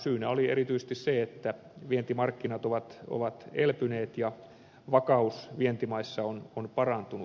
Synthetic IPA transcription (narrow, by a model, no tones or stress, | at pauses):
syːnæolierit̪yisest̪isseet̪ːæ | ʋient̪imɑrkːinɑt̪oʋɑt̪o̰ʋɑt̪elpyneːt̪jɑ | ʋɑkɑusʋient̪imɑisːɑononpɑrɑnt̪unu